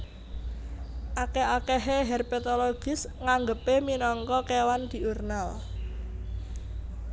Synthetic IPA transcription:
ʔakeakeɦeɦɛrpet̪oloɡ̥ɪ̤sŋaŋɡəpeminɔŋkɔkewand̪̥i̤ʔurnal

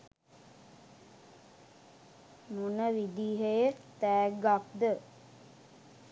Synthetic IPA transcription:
munəʋid̪iːɦəjet̪æːɡak̚d̪ə

